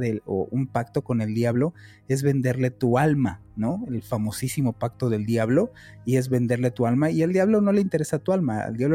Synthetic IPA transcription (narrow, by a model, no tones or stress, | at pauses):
ðeoumpakt̪o̞ko̞ne̞ld̪jaβlo̞ | e̞zβe̞nd̪e̞ɾle̞t̪ualmano̞elfamo̞sisimo̞pak̚t̪o̞ðe̞ld̪jaβlo̞ | ie̞zβe̞nd̪e̞ɾle̞t̪ualmaield̪jaβlo̞no̞leint̪e̞ɾe̞sat̪ualmaḛld̪jaβlo